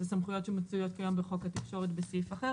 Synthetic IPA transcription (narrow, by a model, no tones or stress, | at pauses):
zesamχujo̞t̪ʃemat͡sujo̞t̪̚kajambeχo̞kat̪ikʃo̞ʁet̪besifaχeʁ